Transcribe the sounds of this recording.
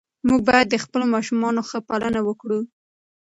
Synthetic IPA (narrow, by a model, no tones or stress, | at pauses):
muɡ̚bɑjad̪ːəxpəlomɑʃumɑnoxəpalənawəkɽu